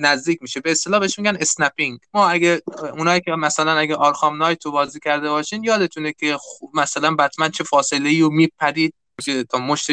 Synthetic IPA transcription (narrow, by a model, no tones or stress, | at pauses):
næzd̪iːc̚ʰʲmiːʃebeːst̪e̞lɒːhbeeʃmiːɡʲæne̞snæpiŋɡmɒːæɡeunɒːiːkʲʰemæsælænæɡæʔɒɾxɒːmnɒːjt̪ʰobɒːziːcʲʰæɾd̪ebɒːʃiːnjɒːd̪e̞t̪ʰuːnekʲʰemæsælænbæt̪mænt͡ʃʰe̞fɒːse̞le̞iːomiːpʰæɾiːd̪̚miʃet̪ʰɒːmoʃt̪e